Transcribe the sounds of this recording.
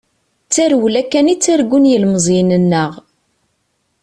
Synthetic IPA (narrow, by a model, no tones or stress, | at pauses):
t͡sːæɾwlækːænit͡sːæɾɡʷːunjəlməzˤinənːəʁ